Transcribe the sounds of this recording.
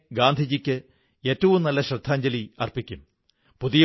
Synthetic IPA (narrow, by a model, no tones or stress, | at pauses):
ɡaːnd̪ʱid͡ʑikʲːɨ | e̞ːtːɐʋumnɐlːɐɕrɐd̪ʱːaːɲd͡ʑɐliɐrpikʲːum | puðij